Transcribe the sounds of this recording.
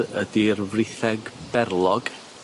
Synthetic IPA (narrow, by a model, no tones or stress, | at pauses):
ədirvrɪθɛɡbɛrlˠɔɡ